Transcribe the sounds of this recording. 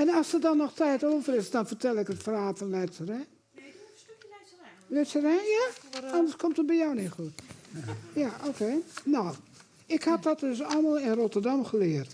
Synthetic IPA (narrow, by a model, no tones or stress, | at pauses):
ɛnɔsədɔnɔxtʰɛːtoːvərɪsdɔnfərtʰɛlˠɪkətfəraːtfɔnlɛtsərɛ | lɛtsərɛjaɔndəskʰomtət̚bɛjɔwnitxut | jaʔoːkʰeːnɔw | ɪkhat̚dɔt̚døs̬ɔlˠmalˠɪnrotərdamxəlɪərt